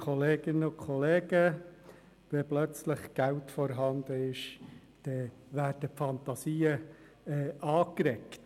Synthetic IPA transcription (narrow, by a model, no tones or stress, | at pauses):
kʰɔleːɡ̥ɪnəʊkχɔleːɡə | ʋɛblœt͡sləχɡ̥æltfɔɾɦɑnd̪əɪʃ | d̥ɛ | ʋæːd̥əpfɑnt̪ɑsiːə | ɛʔɑːkɾɛkt